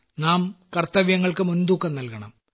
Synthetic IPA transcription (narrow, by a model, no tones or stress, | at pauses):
naːmkɐrt̪ɐʋjɐŋːɐɭkɨmund̪uːkːɐnnɐlkɐɳɐm